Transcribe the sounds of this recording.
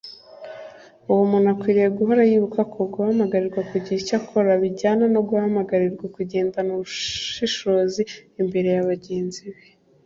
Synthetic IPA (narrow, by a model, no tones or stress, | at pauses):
uwomunakwiːɾijeɡuɦoɾajiβukakʰoɡuhamaɡaɾiɾɡwakuɟiicakʰo̞ɾaβiɟaːnanoɡuhamaɡaɾiɾɡwakuɟe̞ːndanuɾuʃiʃo̞ːziːmbe̞ɾe̞jaβaɟe̞ːnziβe